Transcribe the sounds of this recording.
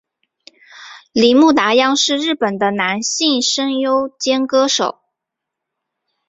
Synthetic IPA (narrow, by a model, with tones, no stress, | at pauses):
li˨˥˦mu˥˩t̪a˧˥jɑ˥ŋʂɻ̩˥˧ɻɻ̩˥˩pə˨˩nd̪ə˦na˧˥nɕi˥˧ŋʂə˥ŋjo˥ʊt͡ɕjɛ˥nkɤ˥ʂo˨˩˦ʊ